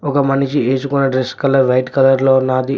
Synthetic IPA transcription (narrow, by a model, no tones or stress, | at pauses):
ɔkɐmɐnit͡ʃieːt͡ʃukunːɐɖɾeskɐlɐɾʋɐjʈkɐlɐɾloːunːaːd̪i